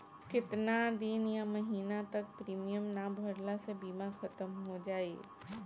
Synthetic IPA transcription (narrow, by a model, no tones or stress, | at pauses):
kɪt̪nad̪ɪnjamɐɦiːnat̪ɐk̚pɾiːmijəmnaːbʱɐɾlasebiːmãkʰɐt̪əmɦod͡ʒaːḛː